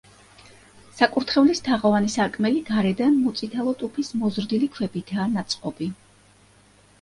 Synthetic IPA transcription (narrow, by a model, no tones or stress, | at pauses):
sakʼuɾt̪ʰχɛvlist̪ʰaʁɔvanisaɾkʼmɛliɡaɾɛd̪anmɔt̪sʼit̪ʰalˠɔt̪ʼupʰismɔzɾd̪ilikʰwɛbit̪ʰaːnat̪sʼqʼɔbi